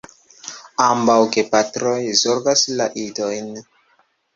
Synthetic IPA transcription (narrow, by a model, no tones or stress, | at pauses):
ambawkepatɾojzoɾɡaslaʔidojn